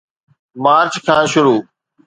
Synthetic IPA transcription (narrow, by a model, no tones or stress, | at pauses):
maːɾt͡ʃkʰãːʃʊɾuː